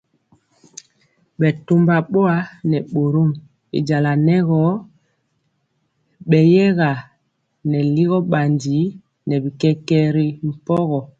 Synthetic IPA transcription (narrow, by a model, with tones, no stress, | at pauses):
ɓɛ˨tu˦mba˨ɓo˦a˦nɛ˨ɓo˨ɾo˦˨m | ḭ˨d͡ʒa˨la˨nɛ˦ɣɔ˦ | ɓɛ˨jɛ˦ɣa˨ | nɛ˨li˦ɣɔ˦ɓa˨ndi˨˦ | nɛ˨bi˨kɛ˦kɛ˦ɾi˨m̩˨pɔ˦ɣɔ˨